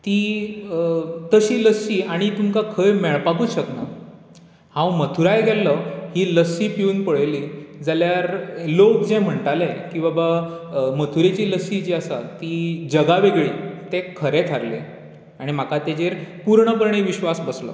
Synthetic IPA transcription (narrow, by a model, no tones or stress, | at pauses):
t̪i | t̪əɕiːləsiːaɽ̃it̪umkakʰəjmɛɭpakuːɕəkna | hãwmət̪ʰuɾajɡʱɛlːəhiləsipiuːnpəɭliːd͡zaljaɾlokd͡ʑẽjm̤əɳʈalajkĩw̃ʋabamət̪ʰuɾet͡ɕiːləsid͡ʑiasa̰t̪id͡ʑəɡaʋeɡɭiːt̪ekʰəɾet̪ʰaɾle | aɽ̃im̤akat̪ed͡ʑeɾpuɾɳəp̬əɾɳeʋiɕʋasbəslə̰ː